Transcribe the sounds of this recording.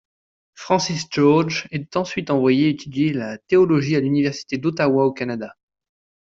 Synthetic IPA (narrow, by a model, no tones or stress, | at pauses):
fχɑ̃sisd͡ʒɔʁd͡ʒɛt̪ɑ̃sɥit̪ɑ̃vwajeet̪ʰyd̪jelat̪eɔlɔʒialynivɛʁsi̥t̪ed̪ot̪awaokanad̪a